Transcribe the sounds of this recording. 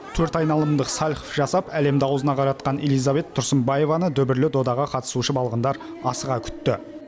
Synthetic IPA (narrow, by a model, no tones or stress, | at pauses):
t̪ʰɵɾt̪ɑjnɑlˠəmd̪əqsɑlʲχofʒɑsɑpæle̞md̪ɪɑwəzənɑqʰɑɾɑt̪̚qɑne̞lˠijzave̞t̪ʰːʊɾsəmbɑje̞vɑnəd̪ʏbɪɾlɪd̪o̞d̪ɑʁɑqʰɑt̪ə̥suʃəbɑlˠʁənd̪ɑɾ | ɑsəʁɑkʲʰʏ̥t̪ːɪ